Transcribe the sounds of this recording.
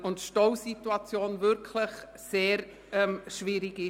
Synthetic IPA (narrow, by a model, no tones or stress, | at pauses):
ʊntʃtowsituat͡sjoːnvʏɾkʰləχ | seːɾ | ɛmʃviːɾɪɡɪ